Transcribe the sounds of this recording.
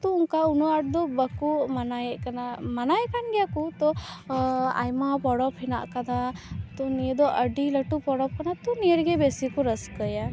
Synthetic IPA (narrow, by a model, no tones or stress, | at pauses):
t̪ɔuŋkaunuaʈ̚d̪ɔbəkumanajɛʔkanamanajkanɡɛjakut̪ɔ | a̰jmapɔɽɔphɛna̰ʔkad̪at̪ɔnijəd̪ɔʔəɖiləʈupɔɽɔp̚kanat̪unijəɾɡɛbesikɔɾəskəja